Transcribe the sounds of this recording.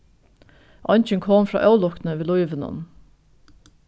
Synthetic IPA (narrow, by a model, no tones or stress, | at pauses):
ʔɑnçəŋkʰɔmfɾɑ̰ːʔɑʉlɔk̪n̩əʋeːlɔʏʋənə̰n